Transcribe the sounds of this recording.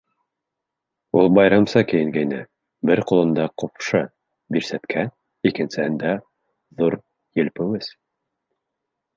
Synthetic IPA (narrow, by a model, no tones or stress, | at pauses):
ulˠbɑjɾɑmsɤkɘ̆jɘ̆ŋɡæjnɘ | bɘɾqulˠɤ̆nd̪ɑqopʃɤ | biɾsæt̪kʰæ | ikɘ̆nsɘ̆hɘnd̪æ | ðuɾ | jɘ̆lpɘ̆wɘz